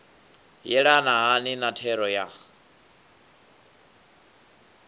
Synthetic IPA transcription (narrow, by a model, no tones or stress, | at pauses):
jɛɺanaɦaninatʰɛɾɔja